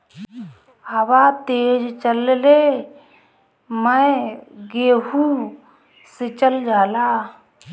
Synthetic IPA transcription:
hɐwat̪eːd͡ʒt͡ʃəlle | mə | ɡeːɦu | sɪt͡ʃəld͡ʒaːlaː

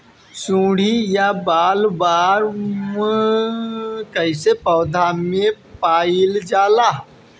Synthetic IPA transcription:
sũɽ̤ijabalbaɾmə | kəjsepəwd̪ʱame | paild͡ʒala

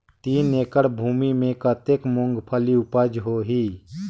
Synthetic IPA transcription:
t̪iːnːeːkəɽbʱuːmimẽkət̪eːkmʊ̃ŋɡpʰəliʊpaːd͡ʒɦoɦiː

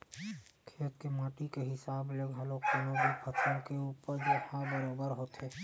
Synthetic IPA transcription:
kʰeːt̪kemaːʈikeɦɪsaːbleɡɦaloːkɐnoːbipʰət͡ʃʰõkeuːpəɾd͡ʒohabəɾaːbəɾɦoːt̪ɦeː

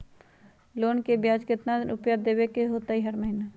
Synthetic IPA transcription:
loːnkebjaːd͡ʒkɪt̪nanʊpjaːd̪eːwekeɦoːt̪aɦiɦɐɾməɦɪna

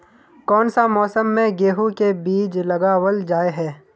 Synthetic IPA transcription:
kɔːnsamɔːsəmːẽɡeːɦukebiːd͡ʒlɐɡaːwəld͡ʒaːeɦɛː

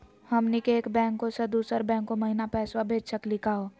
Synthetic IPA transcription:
həmnikeːkbɛ̃ːŋkːosəd̪uːsəɾbɛ̃ːŋkːoməɦinapɛːswabʱeːd͡ʒʃəklɪkʰaɦoː

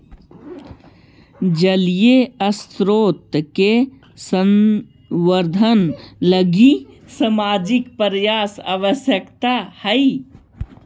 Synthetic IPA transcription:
d͡ʒəlijeəst̪ɾoːt̪ke | sə̃n | ʋəɾd̪ʱənləɡi | səmaːd͡ʒɪkpəɾjaːsa̰ːʋəsjəkt̪ahəi

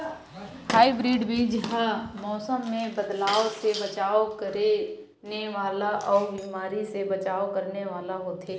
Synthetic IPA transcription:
haːibɾiːɖbʱid͡ʒɦamɔːsəmːẽbɐd̪laːosebɐt͡ʃaːokəɾe | neʋaːlaʔɔːɾbiːmaːɾisebɐt͡ʃaːokɐɾneʋaːlaɦoːt̪eː

